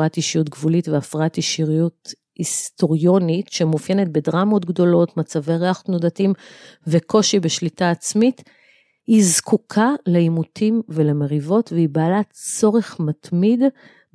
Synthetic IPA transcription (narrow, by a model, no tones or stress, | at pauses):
atiʃijutɡvulitveafʁaatiʃiʁijut | isto̞ʁjo̞nitʃemufjenet̚bedʁamo̞tɡdo̞lo̞tmat͡savejʁeaχotnodatimveko̞ʃibeʃlitaːt͡smit | hizkʰukʰaleimutʰimveleme̞ʁivo̞tveibaːlat͡so̞ʁeχmatmid